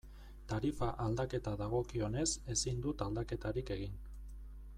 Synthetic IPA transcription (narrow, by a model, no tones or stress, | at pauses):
t̪aɾifaʔald̪ake̞t̪aðaɣ̞o̞kio̞ne̞se̞sind̪ut̪ald̪ake̞t̪aɾike̞ɣ̞in